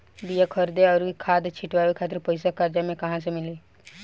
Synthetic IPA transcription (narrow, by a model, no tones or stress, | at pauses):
bijakʰəɾd̪eɔːɾkʰaːd̪t͡ʃʰɪʈʋaːwekʰaːt̪̬ɾpəɪsakaːɾd͡ʒamẽkɐɦãsemɪleː